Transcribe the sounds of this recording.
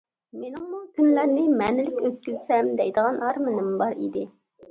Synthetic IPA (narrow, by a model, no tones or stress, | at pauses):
menɪŋmukʲʰynlæɾnɪmɛnɪlɪkʲøt̪̚kʲyzsɛmd̪ɛjd̪əʁɑnɑɾmɨnɨmbɑɾḭd̪ɪ